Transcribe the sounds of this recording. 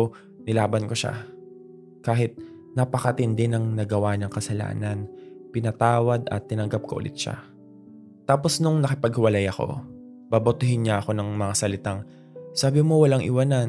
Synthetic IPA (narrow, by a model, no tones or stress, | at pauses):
nɪlaːbɐnko̞ʃa̰ | kaːɦɪt̪̚ | nɐpɐkɐt̪ɪnd̪ɛnɐŋnɐɡɐwanɐŋkɐsɐla̰ːnɐnpɪnɐt̪aːwɐd̪ɐ̰t̪ːɪnɐŋɡap̚ko̰ʔʊ̰lʔɪ̰t̪ʃa̰ | t̪aːpo̞snʊŋnɐkɪpɐɡ̚hɪwɐlajɐko̞̰ | b̥abot̪ɪɦɪnɲaʔɐko̞nɐŋmɐŋasɐlɪt̪aŋ | saːbɪmo̞wɐlaŋʔɪ̰wanan